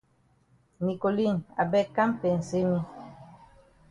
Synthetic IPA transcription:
ni˨ko˨li˦˨na̰˨bɛ˦ka˦mpɛ˨n̩˨si˦mi˦

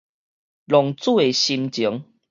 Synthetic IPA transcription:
lɔ˨˩ŋt͡su˥˦˧e˨˩ɕi˧mt͡ɕi˨˦ŋ

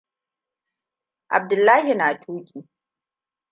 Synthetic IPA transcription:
ʔa̰˨b̚dʊ˨lːaː˦hi˨naː˨tʰuː˦kʲʼiː˨

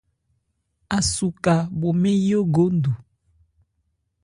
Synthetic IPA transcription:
a˨su˨ka˨bo˨me˦jo˦ɡo˦ndu˨

